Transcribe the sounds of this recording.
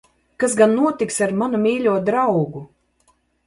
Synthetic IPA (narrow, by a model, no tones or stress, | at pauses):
kasɡanːuɔt̪iksaɾmanumʲiːlʲuɔd̪ɾawɡu